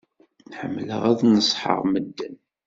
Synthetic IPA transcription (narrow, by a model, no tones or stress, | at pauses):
ħəmːlə̰ʁæðnəsˤħə̰ʁməd̪ːən